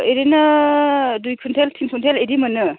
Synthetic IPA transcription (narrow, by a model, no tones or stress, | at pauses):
eɾinɯ | dujkʰuntʰeltʰinkʰuntʰeledimɐnːɯ